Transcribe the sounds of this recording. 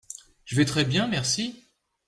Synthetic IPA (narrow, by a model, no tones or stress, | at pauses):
ʒ̥əvɛt̪χɛbjɛ̃mɛʁsi